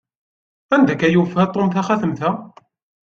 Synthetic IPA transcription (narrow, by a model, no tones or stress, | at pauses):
ænd̪ækæjufæt̪ˤomθæχæθəmθæ